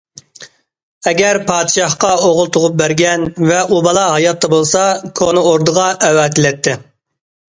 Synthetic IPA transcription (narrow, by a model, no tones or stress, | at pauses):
ɛɡʲɛɾpʰɑːd̪ʃɑhqɑoʁʊlˠt̪ʰʊʁʊp̚bæɾɡʲɛnvɛʔubɑlˠɑɦɑjɑt̪ʰːɑbolˠsɑkʰonɨoɾd̪əʁɑʔɛwɑːt̪ʰɪlɛt̪ʰːɪ